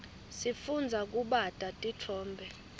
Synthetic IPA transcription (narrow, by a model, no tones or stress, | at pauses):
sifund͡zʱak̬ʼuɓatʼatʼitʰɔːmbʱɛ